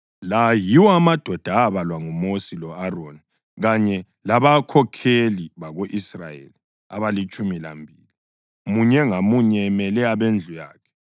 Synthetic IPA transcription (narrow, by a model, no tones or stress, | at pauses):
lajiwɔamad̥ʱɔd̥ʱaaβalwaŋumosilɔaroni | ɣaɲɛ | laβakʰɔkʰeliβaɣoʔisra̰jḛli | a̰βalit͡ʃʼumila̰mbʱiːli | muɲɛŋamuɲɛmɛlɛaβend͡ɮʱuja̰ːkʰɛ̥